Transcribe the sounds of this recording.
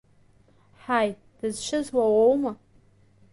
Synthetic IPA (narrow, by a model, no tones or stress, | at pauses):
ħaj | d̥ɨzʃʷʰɪzwawowma